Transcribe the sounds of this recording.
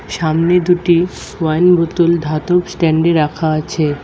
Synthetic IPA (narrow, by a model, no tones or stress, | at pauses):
ʃamned̪uʈi | wajnbot̪uld̪ʱat̪opsʈɛɳɖeɾakʰaat͡ɕʰe